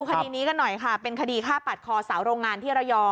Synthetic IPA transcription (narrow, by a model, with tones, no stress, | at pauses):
u˧kʰa˧diː˧niː˦˥ka˧nːɔ˨˩jkʰa˥˩pe˧nkʰa˧diː˧kʰaː˥˩pa˨˩t̪̚kʰɔː˧sa˩˦wɾoː˧ŋːaː˧nt̪ʰiː˥˩ɾa˧wjɔː˧